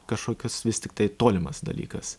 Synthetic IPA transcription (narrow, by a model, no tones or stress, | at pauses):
kɐʃkoːkʲʊsʋʲɪst̪ʲɪkt̪ɐɪt̪oːlʲɪmɐsd̪ɐ̰lʲḭːkɐs